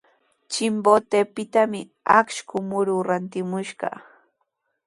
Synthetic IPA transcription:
t͡ʃɪmbot̪epɪt̪amɪ | a̰kʃkʊmʊɾʊːɾant̪ɪmʊʃɢɑ̰

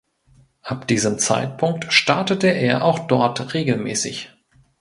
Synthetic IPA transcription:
ʔap̚d̥iːzəmt͡sa̰ɪtpʰʊŋk̚tʃtaɐtətəʔeːɐʔaʊxd̥ɔɐtʁeːɡl̩mɛ̰ːsɪç

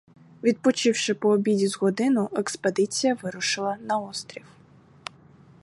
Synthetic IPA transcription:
ʋʲid̪̚pɔt͡ʃɪwʃɪpɔːbʲidʲizɣɔd̪ɪnʊʔɛksped̪ɪt͡sʲijɐʋɪɾʊʃɪlˠɐnɐɔst̪ɾʲiw

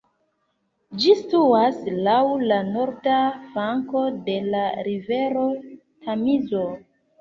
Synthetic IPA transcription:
d͡ʒistuaslawlano̞ɾdafaŋko̞de̞laɾive̞ɾo̞ | tʰamizo̞

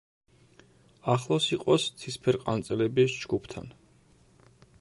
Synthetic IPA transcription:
aχlˠɔsiqʼɔst̪sʰispʰɛɾqʼa̰nt̪sʼɛlɛbisd͡ʒɡupʰt̪ʰa̰n

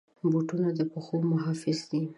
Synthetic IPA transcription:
boʈunad̪əpəxomʊɦɑfɪzd̪i

